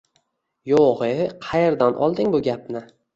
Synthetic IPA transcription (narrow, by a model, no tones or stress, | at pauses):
joʁeqʰɑjeɾd̪anʔɒ̰lˠd̪ɪŋbʊɡʲapnɪ